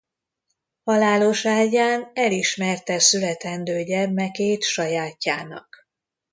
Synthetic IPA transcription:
hɒlaːlo̞ʃaːɟaːnɛliʃmɛrt̪ɛsylɛt̪ɛnd̪øːɟɛrmɛkeːt̪ʃɒjaːcːaːnɒ̰k

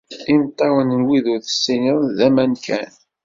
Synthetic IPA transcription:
imt̪ˤːɑwənənwiðʊɾθə̥sːiniðˤðæmænkʰæ̰n

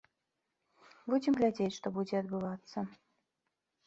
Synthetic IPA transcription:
bud͡zʲɪmɣlʲad͡zʲet͡sʲʂt̪ɔbud͡zʲɛɐd̪̚bɨvat̪sːɐ

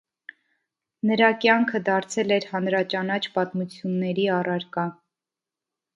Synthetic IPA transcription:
nəɾɑkjɑŋkʰəd̪ɑɾt͡sʰɛlɛɾhɑnɾɑt͡ʃɑnɑt͡ʃʰpɑt̪mut͡sʰjunːɛɾiɑrɑɾkɑ

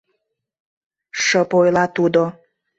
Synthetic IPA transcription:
ʃəpojlˠɑt̪ud̪o

